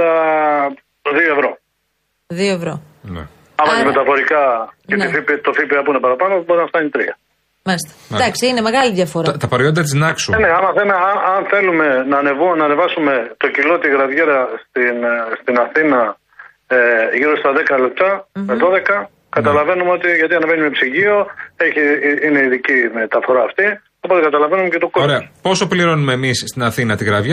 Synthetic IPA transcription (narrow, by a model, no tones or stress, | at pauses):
ɐ | ðio̞e̞vɾo̞ | ðioevɾo | n̰ | ɐmmɐimet̪ɐpo̞ɾikɐeifipit̪o̞fipiɐpuinepɐɾɐpɐnobo̞ɾinɐft̪ɐɲit̪ɾiɐ | mɐlist̪ɐ̥d̪ɐksiine̞me̞ɣɐliðʝɐfo̞ɾɐt̪ɐpɐɾeod̪ɐt̪iznɐksueneɐmɐθeneɐɐnθe̞lume̞nɐːnevunɐːne̞vɐsume̞t̪o̞cilo̞t̪iɣɾɐvʝeɾɐst̪inst̪inɐθinɐ | ʝiɾo̞st̪ɐðekɐle̞p̚t̪ɐmeðo̞ðekɐ | kɐt̪ɐlɐve̞numeo̞t̪iʝɐt̪iɐnevenimepsiʝio̞e̞çiine̞iðicimet̪ɐfo̞ɾɐːft̪i | opot̪ekɐt̪ɐlɐvenumecet̪okooɾeɐpo̞so̞pliɾo̞nume̞ːmisst̪inɐθinɐt̪iɣɾɐvʝe